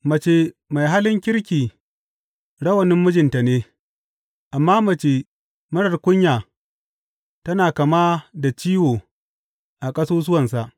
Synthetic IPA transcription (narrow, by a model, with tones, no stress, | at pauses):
mɐ˨t͡ʃeː˦ma˨jɦa˦lɪ˦ŋkʲɪ˦ɽkʲiː˨ | ɽɐ˦wɐ˨nɪ˦mːʊ˦d͡ʒɪ˨nta˨neː˦ | ʔa˨mːaː˦mɐ˨t͡ʃe˨ | mɐ˦ɽɐ˨rkʷʊ˦ɲjaː˨ | tɐ˦naː˨kɐ˨maː˦da˨t͡ʃiː˦woː˨ | ʔa˨kʼɐ˦soː˦s̬ʊ˦wɐ˨nsa˨ʔ